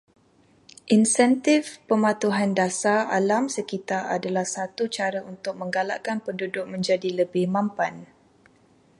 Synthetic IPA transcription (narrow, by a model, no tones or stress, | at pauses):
ʔinsɛnt̪ɪfpəmãt̪uɦandasaalamsəkit̪aa̰dalahsat̪ut͡ʃaɾaunt̪ʊk̚mə̃ŋɡala̰ʔkanpəndudʊk̚mə̃ɲd͡ʒadiləbɪhmãmpan